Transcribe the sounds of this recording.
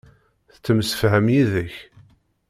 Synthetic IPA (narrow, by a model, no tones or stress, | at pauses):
θt͡sːəmsə̥fɦəmjiðəç